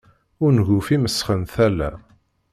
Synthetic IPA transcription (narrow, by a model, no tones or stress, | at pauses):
ʊɾnʝʊfiməsːχənθælːæ̰